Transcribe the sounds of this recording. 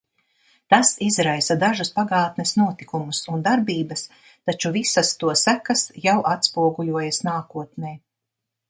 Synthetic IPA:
t̪asizɾajsad̪aʒuspaɡaːt̪nɛsnuɔt̪ikumusund̪aɾbiːbɐs | t̪at͡ʃuvisɐst̪uɔsækɐsjawʔat̪spuɔɡuʎʲuɔjasnaːkuɔt̪̚nɛj

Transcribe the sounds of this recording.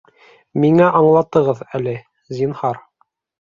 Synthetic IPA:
miŋæʔɑɴlˠɑt̪ɤ̆ʁɤðælɘ | zʲinhɑɾ

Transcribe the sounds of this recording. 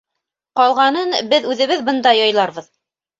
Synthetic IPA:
qɑlˠʁɑnɤnbɘðʉðɘ̆βɘðbɤ̆nd̪ɑjɑjlˠɑɾβɤð

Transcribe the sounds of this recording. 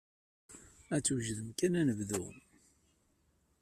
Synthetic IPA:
æt͡sːwʒðəmkænænəvðʊ̰ʁm

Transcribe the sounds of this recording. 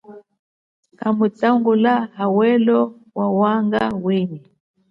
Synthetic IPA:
kamut͡saŋɡulahawɛlɔ | wawaŋɡa̰wini

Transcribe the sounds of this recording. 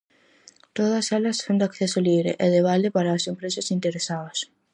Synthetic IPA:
t̪oðɐsɛlɐssõnd̪ɪakθesoliβɾḛʔeðeβalɪpaɾaːsempɾesɐsint̪eɾesaðɐs

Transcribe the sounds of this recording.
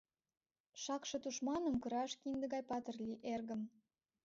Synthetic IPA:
ʃɑkʃɤ̆t̪uʃmɑnə̆mkə̆ɾɑʃkind̪ə̆ɣɑjpɑt̪ərlʲiʔerɣə̆m

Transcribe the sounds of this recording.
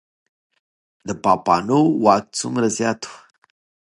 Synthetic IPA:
d̪əpɑpɑnowɑk̚t͡sʊmɾazjɑt̪u̥

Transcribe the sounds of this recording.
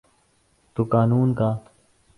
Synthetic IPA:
t̪ukaːnuːnkaː

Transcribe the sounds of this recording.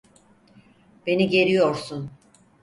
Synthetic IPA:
b̥e̞niɟe̞ɾijo̞ɾsun

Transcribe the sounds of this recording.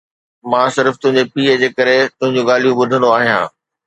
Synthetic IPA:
mãːsɪɾft̪ʊ̃ɦɪ̃ɲd͡ʑepiːəd͡ʑeːkɐɾet̪ʊɦɪ̃ɲd͡ʑũɡaːlijũɓʊd̪ʱə̃nd̪oaːɦijã̰ː

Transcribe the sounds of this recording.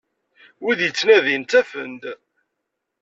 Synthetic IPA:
wiðjət͡sːnæðint̪æfə̰nd̪

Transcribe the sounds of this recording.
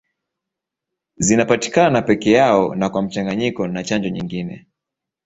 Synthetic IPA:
zinapati̥kananapɛkɛjaɔnakwam̩t͡ʃaŋɡaɲikɔnat͡ʃand͡ʒɔɲiŋɡinɛ̰

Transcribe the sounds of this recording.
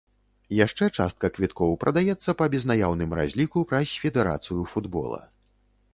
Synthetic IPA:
jaʂt͡ʂɛt͡ʂa̰st̪̚kɐkvʲit̪kɔwpɾɐd̪ajɛt̪sːɐpɐbʲɛznajawnɨmɾa̰zʲlʲikupɾɐsʲfʲɛd̪ɛɾa̰t̪sɨjufud̪bɔ̰lˠɐ̰

